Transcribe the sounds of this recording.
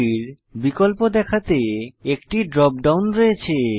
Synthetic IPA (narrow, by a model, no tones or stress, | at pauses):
iɾ | bikolpod̪ɛkʰat̪eekʈiɖɾɔp̚ɖawnɾojet͡ɕʰe